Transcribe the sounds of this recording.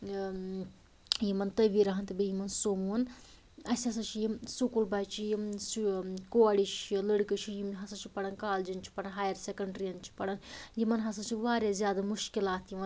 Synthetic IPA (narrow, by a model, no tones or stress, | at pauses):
jimɐnt̪ɐʋiɾɐɦɐnt̪ɐbijimɐnsomun | ɐsʲɐs̬ɐt͡ʃʰijisukulbat͡ʃʰijiskoɐɽit͡ʃʰiləɽkɨt͡ʃʰijimɦɐsɐt͡ʃʰipɐɽɐnkaːld͡ʒint͡ʃʰi̥pɐɽɐnɦaːjɐɾsekɐɳɖɾijɐnt͡ʃʰi̥pɐɽɐnjimɐnɦɐsɐt͡ʃʰiʋaːɾʲjazjaːd̪ɐmuʃkilaːt̪jimɐ